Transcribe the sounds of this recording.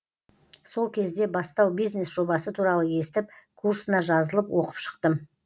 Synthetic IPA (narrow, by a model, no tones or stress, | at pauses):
so̞lˠkʲʰe̞zd̪e̞bɑst̪ɑwbijznesʒ̥o̞bɑsət̪ʰuɾɑlˠəje̞st̪ɪp̚kʰursənɑʒɑzəlˠəpwo̞qə̥pʃə̥qt̪ə